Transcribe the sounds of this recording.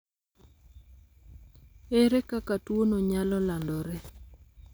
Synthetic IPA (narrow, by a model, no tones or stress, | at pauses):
eɾɛkakatwonoɲalɔlandɔɾɛ